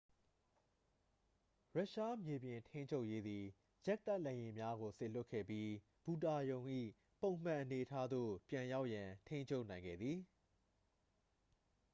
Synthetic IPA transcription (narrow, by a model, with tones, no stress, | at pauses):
ɹa˦ʔʃa˦mje˨bjɪ̃˨ntʰẽ˦ɪ̃ɲt͡ɕʰo˦ʊʔje˦d̪i˨ | jɛ˦ʔ̚t̪a˦ʔlɛ̃˨jɪ̃˨mja˦ɣo˨se˨l̥ʊ˦kʰːɛ̰˦˨pji˦ | b̥u˨ta˨jõ˨ʊ̃ʔḭ˦˨ | põ˨ʊ̃m̥ã˦˨ʔəne˨ʔətʰa˦d̪o̰˦˨pjã˨ja˦ʊʔjã˨tʰẽ˦ɪ̃ɲt͡ɕʰo˦ʊʔnã˨ɪ̃ŋɡɛ̰˦˨d̪ði˨